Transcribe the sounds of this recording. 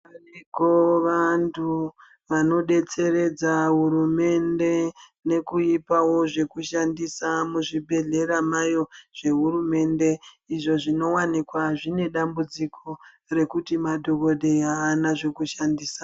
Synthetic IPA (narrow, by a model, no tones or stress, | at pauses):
ariɡʱoʋantʰu | ʋano̞ɗe̞t͡se̞ɾe̞d͡zaɦuɾume̞nde̞ne̞kuipawo̞ʐe̞kuʃandisamuʐibʱe̞ɮe̞ɾamajo̞ʐ̥e̞ɦurume̞nde̞ | iʐo̞ʐino̞wanikwaʐine̞ɗambud͡zikʰo̞ | re̞kutimadʱo̞ko̞ɗʱe̞jaːnaʐe̞kuʃandiːsa